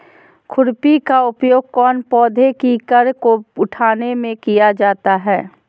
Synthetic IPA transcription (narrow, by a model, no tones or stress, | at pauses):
kʰʊɾpikaʊpjoːɡ̚kɔːnpɔːd̪ʱekikəɾkoʊʈʰaːnemẽkijad͡ʒaːt̪aɦɛː